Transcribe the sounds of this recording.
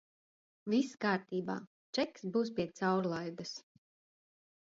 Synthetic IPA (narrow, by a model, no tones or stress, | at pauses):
vʲiskaːɾt̪iːba̰ː | t͡ʃɛksbuːwspʲiɛt̪sawɾlˠajɡ̪as